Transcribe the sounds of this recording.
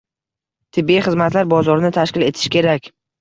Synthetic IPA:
t̪ʰɪbːiiχɨzmat̪laɾbɒzɒɾɪnɪt̪ʰaʃkʲɪle̞t̪ʰɪ̥ʃkʲʰe̞ɾakʲ

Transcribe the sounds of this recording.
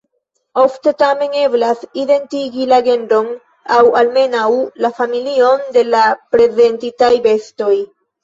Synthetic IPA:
o̞fte̞tame̞ŋe̞blaside̞ntiɡilaɡe̞ndo̞n | awalme̞nawlafamilio̞nde̞lapɾe̞ze̞ntitajbe̞sto̞j

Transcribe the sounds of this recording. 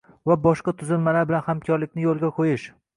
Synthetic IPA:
vabɒʃqɑt̪ʰʊzɪlmalaɾbɪlanhamkʲʰɒɾlɪkʲnɪjolˠɡʲaqʰojɪʃ

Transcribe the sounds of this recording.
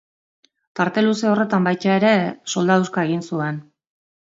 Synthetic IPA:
t̪aɾt̪e̞luseo̞re̞t̪ambajt̪ae̞ɾe̞so̞ld̪awskae̞ɣ̞insue̞n

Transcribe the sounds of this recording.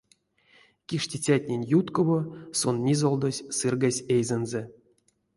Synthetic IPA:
kʲiʂtʲit͡sʲatʲnʲenʲjut̪kovosonːʲizolˠd̪osʲsɨrɡasʲejzenze

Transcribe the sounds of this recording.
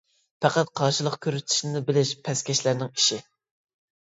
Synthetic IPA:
pæqæt̪̚qʰɑɾʃɨlˠəqkʲʰøɾyt̪ʰi̥ʃnɪnɪbɪlɪʃpʰɛskʲɛʃlæɾnɪŋiʃɪ

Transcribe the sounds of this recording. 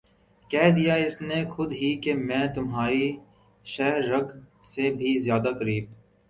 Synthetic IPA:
kɛːd̪ijaɪsnexʊd̪ɦikemɛ̃ːt̪ʊmɦaːɾi | ʃɛɦɾːɐɡ | sebʱizjaːd̪akɐɾiːb̚

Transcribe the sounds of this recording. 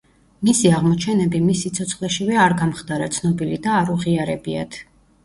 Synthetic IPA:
misiaʁmɔt͡ʃʰɛnɛbimisːit̪sʰɔt̪sʰχlɛʃivɛaɾɡamχd̪aɾat̪sʰnɔbilid̪aːɾuʁiaɾɛbia̰t̪ʰ

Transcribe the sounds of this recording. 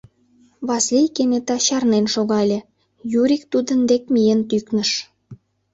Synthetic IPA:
βɑslʲijkenʲet̪ɑɕɑrnenʃoɣɑlʲĕ | juɾʲik̚t̪ud̪ənd̪ekmʲijent̪yknəʃ

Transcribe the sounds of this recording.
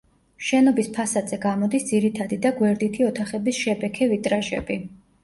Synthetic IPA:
ʃɛnɔbispʰasad̪z̥ɛɡamɔd̪isd̪ziɾit̪ʰad̪id̪aɡwɛɾd̪it̪ʰiɔt̪ʰaχɛbisʃɛbɛkʰɛvit̪ʼɾaʒɛ̰bi

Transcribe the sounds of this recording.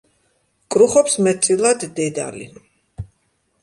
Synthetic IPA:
kʼɾuχɔpsmɛt̪t̪sʼilˠad̪ːɛd̪a̰lḭ

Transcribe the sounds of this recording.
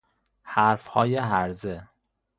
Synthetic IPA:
hæɾfhɒ̰ːjeɦæɾze

